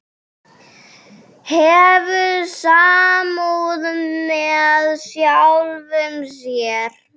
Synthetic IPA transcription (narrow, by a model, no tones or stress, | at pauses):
hɛvʏsaːmuðmɛðsjawlvʏms̬jɛɾ̥